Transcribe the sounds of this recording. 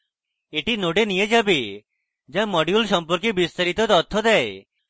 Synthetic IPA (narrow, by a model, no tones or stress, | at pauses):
eʈinoɖenijed͡ʒabe | d͡ʒãmɔɖjulsɔmpɔɾkibist̪aɾit̪ɔt̪ɔt̪ʰːɔd̪ɛe